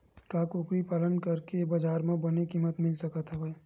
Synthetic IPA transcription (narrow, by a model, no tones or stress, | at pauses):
kakʊkɾipaːlənkɐɾkebɐd͡ʒaːɾmẽbɐnekiːmət̪mɪlsɐkət̪ɦɛbə